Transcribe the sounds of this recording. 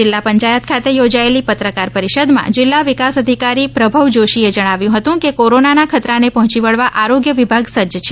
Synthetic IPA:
d͡ʒɪlːapəɲt͡ʃajət̪̚kʰat̪ejod͡ʒaelipət̪ɾəkaɾpəɾiʃəd̪mã̰d͡ʒɪlːaʋikasəd̪ʱikaɾipɾəbʱəʋd͡ʒoʃied͡ʒəɽ̃aʋjũɦət̪ũkekoɾonanakʰət̪ɾanepɔɦɔ̃t͡ʃiʋəɭʋaʔaɾoɡjəʋibʱaɡsəd͡ʒət͡ʃʰe

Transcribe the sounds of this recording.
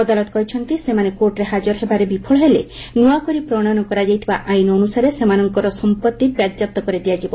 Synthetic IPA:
ɔd̪alɔt̪ɔ̥kɔɦit͡ʃʰɔnt̪isemanekoɾʈɾeɦad͡ʒɔɾɦebaɾebipʰɔɭɔɦele | nuakɔɾipɾɔɽ̃anɔkɔɾad͡ʒajt̪ʰibaʔajnɔːnusaɾesemanɔŋkɔɾɔsɔmpɔt̪ːibjad̪d͡ʒap̚t̪ːɔkɔɾid̪ijad͡ʒibɔ

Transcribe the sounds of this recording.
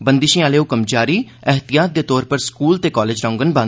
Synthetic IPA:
bənd̪ɪʃĩaːleːʊkəmd͡ʒaːɾiː | əɦt̪ɪjaːt̪̚d̪eːt̪ɔːɾpəɾskuːlt̪eːkɔːleːd͡ʒɾãːŋɡənbãː

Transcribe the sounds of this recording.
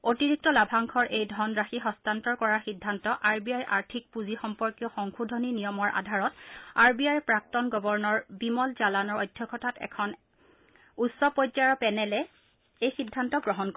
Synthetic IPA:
otiɹik̚tɔlabʱaŋkʰɔɹʔejdʱɔnɹaxixɔstantɔɹkɔɹaxidʱːantɔʔaɹbijajʔaɹtʰik̚puzixɔmpɔɹkjɔxɔŋxudʱɔninijɔmɔɹʔa̰dʱaɹɔtaɹbiajpɹak̚tɔnɡɔbɔɹnɔɹbimɔlzalanɔɹɔjdʱjɔkʰɔtʰatɛ̰kʰɔn | utsɔpɔjaɹɔpɛnɛlɛ | ejxidʱːantɔɡɹɔɦɔnk

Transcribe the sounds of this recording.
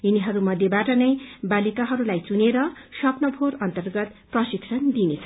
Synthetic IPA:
ɦiniɦʌɾumʌd̪ʱjebaʈʌnʌjbalikaɦʌɾulajt͡suneɾʌsʌpnʌbʱoɾʌnt̪ʌrɡʌt̪prʌsiksʰʌnd̪inet͡sʰʌ̥

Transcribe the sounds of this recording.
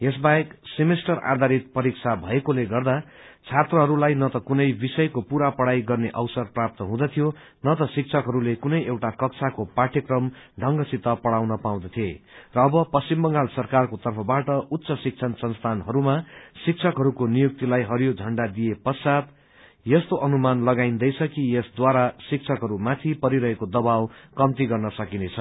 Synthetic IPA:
jesbaeksimesʈʌra̰d̪ʱaɾit̪̚pʌɾiksʰabʱʌekoleɡʌrd̪a | t͡sʰat̪rʌɦʌɾulajnʌt̪ʌkunʌjbisʌjkopuɾapʌɽajɡʌrneʔʌwsʌrprap̚t̪ʌɦũd̪ʌt̪ʰijo | nʌt̪ʌsik̚t͡sʰʌkɦʌɾulekunʌjʔewʈakʌk̚t͡sʰakopaʈʰjʌkrʌmɖʱʌŋɡʌsit̪ːʌpʌɽawnʌpaw̃d̪ʌt̪ʰijerʌːbʌpʌst͡simbʌŋɡalsʌrkarkot̪ʌrpʰʌbaʈʌʔut̪ːsʌsik̚t͡sʰʌnsʌnst̪ʰanɦʌɾumasik̚t͡sʰʌkɦʌɾukonijuk̚t̪ilajɦʌɾjod͡zʱʌɳɖad̪ijepʌsad̪ | jʌst̪oʔʌnumanlʌɡaind̪ʌjt͡sʰʌkijesd̪waɾasik̚t͡sʰʌkɦʌɾumat̪ʰipʌɾiɾʌɦekod̪ʌbawkʌmt̪iɡʌrnʌsʌkinet͡sʰʌ

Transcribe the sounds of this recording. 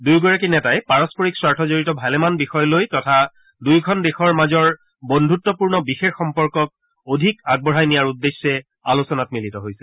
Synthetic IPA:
dujɡɔɹak̬inɛtajpaɹɔspoɹikswaɹtʰɔzoɹitɔbʱalɛmanbixɔjɔlojtɔtʰa | dujkʰɔndexɔɹmazɔɹ | bondʱutːɔpuɹnɔbixexːɔmpɔɹkɔk̚ | odʱikaɡ̚bɔɹajnijaɹudːesːɛ | alosɔnatmilitɔɦojsɛ

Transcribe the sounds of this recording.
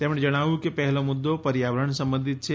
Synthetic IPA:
t̪emɽẽd͡ʒəɽ̃aʋũkepɛɦlomʊd̪ːopɐɾjaʋəɾəɳ̃sə̃mbə̃nd̪ʱɪt̪̚t͡ʃʰe

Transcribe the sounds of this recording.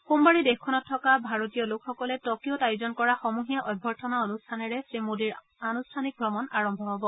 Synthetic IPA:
xumbaɹidexkʰɔnɔtʰːɔkabʱaɹotijɔlokxɔkɔlɛtokijotajuzɔnkɔɹaxɔmuɦijaʔɔjbʱɔɹtʰɔnaonustʰanɛɹɛsɹimudiɹ | anustʰanik̚ɡɹɔmɔnaɹɔmbʱɔɦɔbɔ

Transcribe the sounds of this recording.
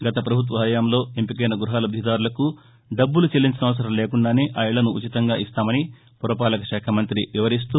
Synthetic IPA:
ɡɐt̪ɐpɾɐbʱut̪̬ʋɐɦɐːjaːmlo̞ːempikɐjnɐɡɾuɦaːlɐd̪ʱid̪aːɾulɐku | ɖɐbːulut͡ʃelːiɲt͡ʃinɐʋɐs̬ɐɾɐmle̞ːkuɳɖaːne̞ːʔaːjɐɭɐnuːt͡ʃit̪ɐŋɡaːʔist̪aːmɐni | puɾɐpaːlɐkɐʃaːkʰɐmɐnt̪ɾiʋiʋɐɾis̬t̪u

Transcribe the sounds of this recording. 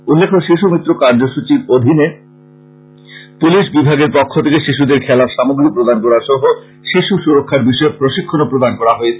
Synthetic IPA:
ulːekʰoʃiʃumit̪ːɾokaɾd͡ʑoʃut͡ɕiɾod̪ʱine | puliʃbibʱaɡeɾpokʰːot̪ʰekeʃiʃud̪eɾkʰɛlaʃamoɡɾipɾod̪ankɔɾaɾʃɔɦo | ʃiʃuʃuɾokʰːaɾbiʃɔepɾoʃikʰːonopɾod̪ankɔɾaɦɔee

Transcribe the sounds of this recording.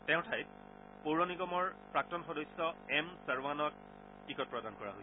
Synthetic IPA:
tɛ̃ʊ̃tʰajt̚ | poɹɔniɡɔmɔɹpɹak̚tɔnxɔdɔjsɔɛmsəɹwanɔk̚ | tikɔt̚pɹɔdankɔɹa̰ɦoj

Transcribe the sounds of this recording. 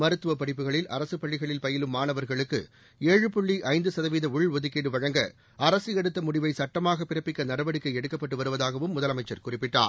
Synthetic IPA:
mɐɾɯt̪ːɯʋɐpɐɽɪp̬ːɯɣɐɭɪlʔɐɾɐsɯpɐɭːɪɣɐɭɪlpɐjɪlɯmːaːnɐʋɐɾɣɐɭɯkːɯ | eːɻɯpʊɭːiʔɐɪnd̪ɯsɐðɐʋiːðɐʊɭʋɔðɯkːeːɽɯʋɐɻɐŋɡɐ̰ | ɐɾɐsɯɛɽɯt̪ːɐmʊɽɪʋɐɪsɐʈːɐmaːɣɐpːɪrɐpːɪkːɐnɐɽɐʋɐɽɯkːɐɪɛɽɯkːɐpːɐʈːɯʋɐɾɯʋɐðaːɣɐʋɯmːʊðɐlɐmɐɪt͡ʃːɐɾkʊrɪpːɪʈːa̰ː

